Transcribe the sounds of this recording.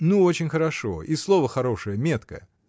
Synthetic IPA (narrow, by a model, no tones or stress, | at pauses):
nuot͡ɕɪnʲxəɾɐʂo̞̰islˠovəxɐɾo̞ʂɨjəmʲet̪kə̰